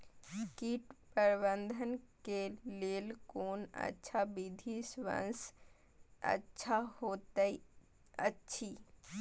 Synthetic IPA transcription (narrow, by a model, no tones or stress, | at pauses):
kiʈpəɾbənd̪ʱənkeleːlkoːnə̰tːʃʰabid̪ʱisʋə̰̃ns | ə̰tːʃʰahot̪ə | ə̰tːʃʰi